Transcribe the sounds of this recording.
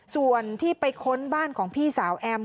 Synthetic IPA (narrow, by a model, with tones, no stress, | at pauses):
su˨˩ənt̪ʰiː˥˩pa˧jkʰo˧˥nbaː˥˩nkʰɔː˩˦ŋpʰiː˥˩saː˩˦wʔɛː˧m